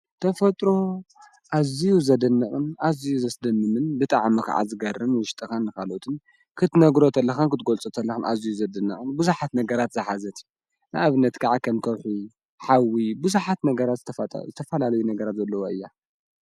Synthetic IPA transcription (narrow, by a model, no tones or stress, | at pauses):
t̪ʰɐfɐt̪ʼɾo̞ | ʔazijuzɐd̪ɨnːɐχʼɨnʔazijuzɐsd̪ɐmːɨmɨnbɨt̪ʼa̰ʕmika̰ʕa̰zɨɡɐɾːɨnwɨʃt̪ʼɨxanːɨkʰalot̪ʰɨn | kʰɨt̪nɐɡɾo̞t̪ʰɐlːɐxɐnkɨt̪ɡolt͡sʼot̪ʰɐlːɐxɨnʔa̰zijuzɐd̪ɨnːɐχʼɨnbuzuħat̪nɐɡɐɾat̪zɐħazɐt̪ | nɨʔaβɨnːɐt̪kʰaʕakʰɐmk̪ʰɐβħu | ħawibɨzuħat̪nɐɡɐɾat̪zɨt̪ʰɐɐt̪ʼzɨt̪ʰɐfɐlalɐjunɐɡɐɾat̪zɐlːɐwoʔɨjːa